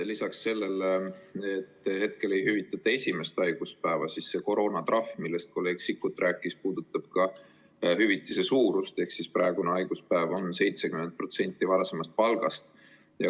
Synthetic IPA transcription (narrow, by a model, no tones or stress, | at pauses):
lisɑksːe̞lːe̞l | et̪ːhe̞t̪̚ke̞le̞jhyvit̪ːˑɑt̪ːˑɑe̞sʲime̞st̪ɑjɡ̥uspæːvɑsisːe̞ko̞ɾo̞ːnɑt̪rɑfmilːest̪̚ko̞lːe̞ːɡ̥sikːut̪ːˑrʔæːkːˑispuːd̪̥ut̪ːˑɑb̥̚kɑ | ɦyvit̪ːˑise̞suːɾust̪e̞hksisprɑeɡ̥uneɑjɡ̥uspæevo̞nse̞jt̪sekyment̪̚pro̞t̪se̞nʲt̪ːˑivɑɾɑse̞mɑst̪̚pɑlɡ̥ɑst̪ | jɑ